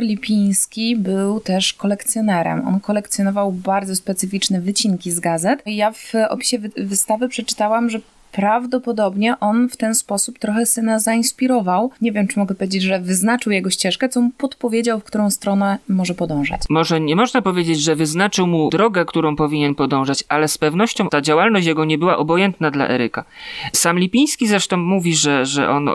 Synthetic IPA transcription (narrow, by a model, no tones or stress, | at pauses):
ɾlʲipʲij̃skʲibɘwt̪ɛʂkɔlɛkt̪sʲjɔnɛɾɛ̰mɔ̰nkɔlɛkt̪sjɔnɔvawbaɾd̪zɔspɛt̪sɘfʲit͡ʂnɛvɘt͡ɕiŋkʲizɡazɛt̪javɔ̰pʲi̥ɕɛvvɘst̪avɘpʂɛt͡ʂɘ̥t̪awamʐɛ | pɾavd̪ɔpɔd̪ɔbɲɛʔɔnft̪ɛnspɔsupt̪ɾɔxɛsɘnazaĩspʲiɾɔvawɲevʲjɛmt͡ʂɘmɔɡɛpɔvʲjʲed͡ʑed͡ʑʐɛvɘznat͡ʂɘwjɛɡɔɕt͡ɕɛʂkɛt̪sɔmupɔt̪pɔvʲjed͡ʑawfkt̪uɾɔ̃w̃st̪ɾɔnɛmɔʐɛpɔd̪ɔ̃w̃ʐa̰t͡ɕmɔʐɛɲɛmɔʐnapɔvʲjed͡ʑed͡ʑʐɛvɘznat͡ʂɘwmud̪ɾɔɡɛkt̪uɾɔ̃w̃pɔvʲiɲɛnpɔd̪ɔ̃w̃ʐat͡ɕalɛspɛvnɔɕt͡ɕɔ̃w̃t̪ad͡ʑawalnɔɕt͡ɕjaɡɔɲɛbɘwa̰ʔɔbɔjɛnt̪nad̪la̰ʔɛ̰ɾɘkasamlʲipʲij̃skʲizɾɛʂt̪ɔ̃w̃muvʲiʐɛʐɛ̰ʔɔ̰n